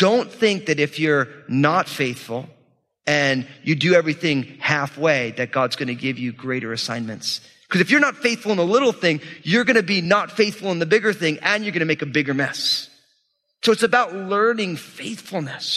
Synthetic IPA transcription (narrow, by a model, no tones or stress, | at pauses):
d̥õʊ̃nθɪ̃ŋk̚ðɨɾɨfjə˞nətfeɪθfl̩ˠ | ɨ̃njɨdɨɛvɹiθɪ̃ŋhæfweɪðɨt̚ɡ̥ɑdzɡ̥ʌnɨɡɪvjɨɡɹeɪɾə̰˞ɨsãɪ̃nmɨ̰̃nts | kʰʌzɨfjə˞nətfeɪθfl̩ˠə̃nəlɪɾl̩ˠθɪ̃ŋjə˞ɡʌnɨbinətfeɪθfl̩ˠə̃nðɨbɪɡə˞θɪ̃ŋɨ̃njə˞ɡʌñɨmeɪkɨbɪɡə˞mɛ̰s | soʊɨtsɨbaʊtˡlɜ̃˞nɪ̃ŋfeɪθfl̩ˠnɨs